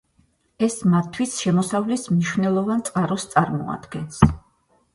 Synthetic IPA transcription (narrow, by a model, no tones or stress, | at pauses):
ɛsmat̪ʰːwisʃɛmɔsavlismniʃvnɛlˠɔvant̪sʼqʼaɾɔst̪sʼaɾmɔ̰a̰d̪̥ɡɛns